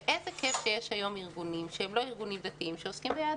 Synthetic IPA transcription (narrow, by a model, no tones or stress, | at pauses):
ʔezekefʃejeʃhajo̞miʁɡunimʃeemlo̞iʁɡunimd̪at̪iimʃeoskimbeja